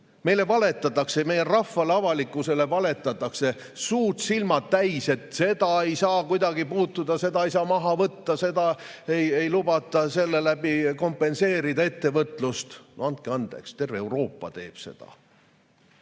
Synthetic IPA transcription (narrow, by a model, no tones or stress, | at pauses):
me̞jle̞vɑle̞t̪ːˑɑt̪ːˑɑkseme̞jerɑfːɑleɑvɑlikːˑuse̞le̞vɑle̞t̪ːˑɑt̪ːˑɑkse̞ | suːrt̪silmɑt̪ːæjse̞t̪se̞d̪̥ɑe̞jsɑːkujd̪ɑɡipuːt̪ːud̪̥ɑse̞d̪ɑejsɑːmɑɦɑvɤt̪ːɑse̞d̪ɑ | ejejlubɑt̪ːˑɑse̞lːe̞læbiko̞mpːˑe̞nse̞ːɾid̪ɑe̞t̪ːe̞vɤt̪ˑlust̪noɑnt̪̚keɑnd̪̥ḛkst̪e̞rveewɾo̞ːpːˑɑ̰t̪e̞ːb̥se̞̰d̪̥ɑ̰